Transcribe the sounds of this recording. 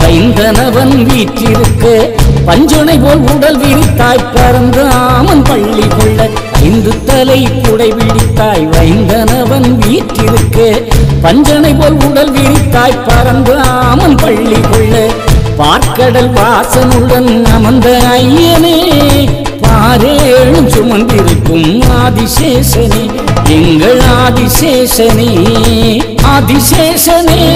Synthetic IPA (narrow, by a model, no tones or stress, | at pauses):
ʋɐjnd̪ɐnɐʋɐnʋiːʈrɪɾɯkːɐpɐɲd͡ʒɐnɐɪpoːlʊɽɐlʋiːɽɪt̪ːaːjpɐɾɐnd̪ɯaːmɐnpɐɭːɪkɔɭːɐɐ̰ɪnd̪ɯt̪ːɐlɐɪkːʊɽɐɪʋiɽɪt̪ːaːjʋɐjnd̪ɐnɐʋɐnʋiːʈrɪɾɯkːɐpɐɲd͡ʒɐnɐɪpoːlʊɽɐlʋiːɽɪt̪ːaːjpɐɾɐnd̪ɯamɐnpɐɭːikɔɭːɐpaːɾkːɐɽɐlʋaːsɐnɯɽɐnɐmɐnd̪ɐɐjɐne | paːɾeɻɯmsʊmɐnd̪ɪɾɯkːɯmaːðɪʂeːʂɐne | ɛŋɡɐɭaːðɪʂeːʂɐne | aðɪʂeːʂɐneː